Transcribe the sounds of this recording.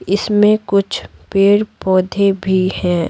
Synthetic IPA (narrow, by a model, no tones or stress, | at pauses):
ɪsmẽkʊt͡ʃʰpeːɽpɔːd̪ʱebʱihɛ̃ː